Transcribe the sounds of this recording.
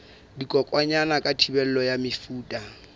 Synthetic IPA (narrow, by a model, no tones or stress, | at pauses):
dikʼɔkʼwaɲanakʼatʰibɛl̩lɔjamɪfuːtʼa